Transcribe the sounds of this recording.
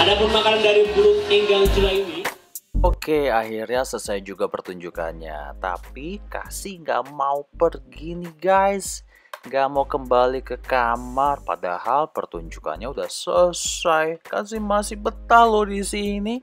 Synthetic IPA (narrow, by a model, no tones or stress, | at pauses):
adapərmakaɾandaɾibuɾʊt̪̚iŋɡaŋt̪ulaini | okeaɦirɲasəsajd͡ʒuɡapərt̪uɲd͡ʒuka̰nɲa̰t̪a̰pika̰sihŋɡa̰ʔmaupərɡiniɡajs | ŋɡaʔmaukəmbalikəkamarpa̰da̰halpərt̪uɲd͡ʒuka̰nɲauda̰hsəsajkasɪmasɪhbət̪ahlohdisini